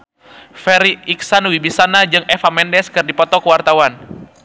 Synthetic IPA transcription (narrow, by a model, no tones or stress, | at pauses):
fɛɾiiksanwibisanad͡ʒɨŋʔɛfamɛndɛskɨrdipɔt̪ɔkəwart̪awan